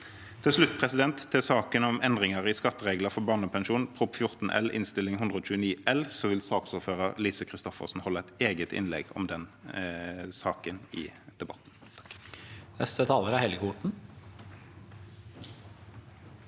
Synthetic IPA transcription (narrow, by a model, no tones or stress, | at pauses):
t̪ʰɪlslʉt̪ːpʰʁɛsɪd̪ɛnt̪ʰːɪlsɑːkənɔmɛnd̪ʁɪŋəʁɪskɑt̪ːəʁeːɡləfɔbɑːnəpʰɛnʃuːnpʰʁʊpfjʊʁt̪n̩ʔɛ̰lɪ̰nst̪ɪlːɪŋɦʉnd̪ʁəɔːt͡ʃʉːəniːʔɛlsɔʋɪlsɑːksuːføːʁəʁlisəkʰʁɪst̪ɔfə̰ʁsn̩hɔlːəæɪt̪eːɡət̪ɪ̰nlɛ̰ɡɔ̰md̪ɛn | sɑːkənɪ̰d̪̥ɛbɑt̪n̩ | nɛ̰st̪ət̪ʰɑːləɾæhɛlɡəuʈɳ̩